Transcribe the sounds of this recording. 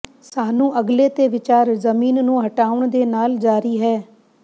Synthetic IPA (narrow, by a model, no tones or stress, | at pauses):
saːnũːʔəɡleːt̪eːʋɪt͡ʃaːɾzəmiːnnũːɦəʈaːʊɳd̪eːnaːld͡ʒaːɾiːɦɛː